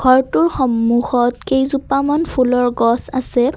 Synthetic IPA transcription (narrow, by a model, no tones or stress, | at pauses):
ɡ̥ʱɔɹtʊɹxɔmːuxɔtkejzupamanpʰulɔɹɡɔsasɛ